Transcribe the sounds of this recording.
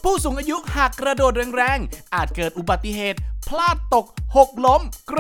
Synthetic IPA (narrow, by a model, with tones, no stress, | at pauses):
pʰuː˥˩suː˩˦ŋʔaː˧ju˦˥ʔhaː˨˩kːɾa˧doː˨˩t̪̚ɾɯː˧ŋɾɛː˧˩ŋʔaː˨˩t̪̚kɤː˨˩t̪̚ʔu˨˩ba˨˩t̪ːi˧˩ɦeː˨˩t̪̚pʰlaː˥˩t̪ːo˨˩k̚ho˨˩k̚lo˦˥mkɾ